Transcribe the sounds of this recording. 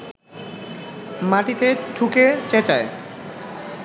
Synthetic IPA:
maʈit̪eʈʰuket͡ɕet͡ɕae

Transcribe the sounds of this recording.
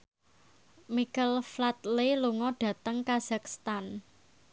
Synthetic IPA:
mikəlflat̪leluŋɔɖ̥ä̤t̪əŋkaz̥akst̪an

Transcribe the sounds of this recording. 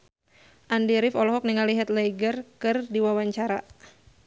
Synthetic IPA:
ʔandiɾɪfɔlɔɦɔk̚niŋaliɦɛt̪̚lejɡərkɨrdiwawaɲt͡ʃaɾa

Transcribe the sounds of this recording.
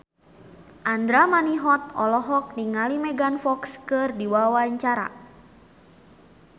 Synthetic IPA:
ʔand̪ɾamaniɦɔt̪̚ɔlɔɦɔk̚niŋalimɛɡanfɔkskɨrdiwawaɲt͡ʃaɾa̰

